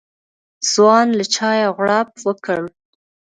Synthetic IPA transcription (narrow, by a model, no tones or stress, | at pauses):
z̥wɑnlat͡ʃɑjaɣɽɑp̚wəkəm